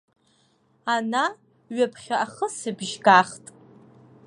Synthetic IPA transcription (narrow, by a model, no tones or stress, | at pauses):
ana | ɥapʰχʲaʔaχəsɨbʒɡaχtʼ